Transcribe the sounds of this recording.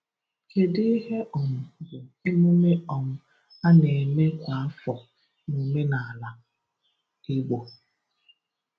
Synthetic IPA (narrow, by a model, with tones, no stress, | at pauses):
ke˨dɪ˦ɦe˦ɔ˨mʊ˨zʊ˨e˦me˦me˦ɔ˨mʊ˨ | a˦ne˨me˦kʷa˨a˦fɔ˨ | nu˨me˦na˨la˨ | ɪ˦ɡ͡bo˨